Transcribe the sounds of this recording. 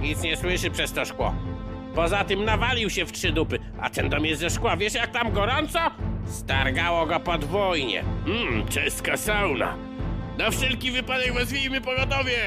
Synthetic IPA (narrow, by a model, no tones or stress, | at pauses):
ɲit̪sɲɛswɘʂɘpʂɛst̪ɔʂkwɔ̰ | pɔzat̪ɘmnavalʲiwɕɛftʂɘd̪upɘ | a̰t̪ɛnd̪ɔmjɛst̪zɛʂkwavʲjɛʂjak̚t̪amɡɔɾɔnt̪sɔst̪aɾɡawɔɡɔpɔd̪vɔjɲɛ̰m̩t͡ʂɛst̪kasawna̰ | d̪ɔfʂɛlkʲivɘpad̪ɛɡvɛzvʲejmɘpɔɡɔt̪ɔvʲjɛ